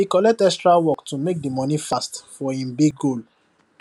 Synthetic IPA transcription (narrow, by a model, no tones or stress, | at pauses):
ikɔlɛk̚tɛkstɹawɔktumek̚dimɔ̃nĩfastfɔĩnbiɡol